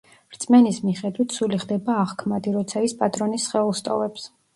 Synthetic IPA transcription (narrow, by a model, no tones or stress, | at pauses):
ɾt̪sʼmɛnismiχɛd̪wit̪ʰsuliχd̪ɛbaːʁkʰmad̪iɾɔt̪sʰaispʼat̪ʼɾɔnisːχɛlˠst̪ʼɔ̰vɛps